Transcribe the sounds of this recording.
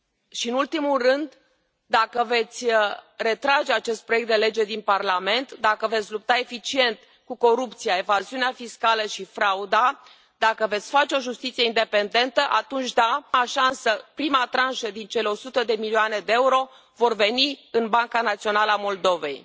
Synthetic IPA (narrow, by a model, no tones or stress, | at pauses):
ʃiɨnult̪imulrɨnd̪ː | akəve̞t̪sʲre̞t̪ɾad͡ʒe̞at͡ʃe̞st̪̚pɾojekt̪d̪e̞le̞d͡ʒe̞d̪inparlame̞nt̪d̪akəve̞t̪sʲlup̚t̪ae̞fit͡ʃie̞nt̪ | kuko̞ɾupt̪siae̞vaziuneafiskaləʃifɾaud̪a | d̪akəve̞t̪sʲfat͡ʃeo̞ʒust̪it̪sijeind̪e̞pe̞nd̪e̞nt̪əʔat̪unt͡ʃd̪aaʃansəpɾimat̪ɾanʃəd̪int͡ʃe̞leo̞sut̪əd̪e̞milioane̞d̪e̞euɾo̞ | vo̞rve̞niɨnbaŋkanat̪sio̞naləamo̞ld̪o̞ve̞̰j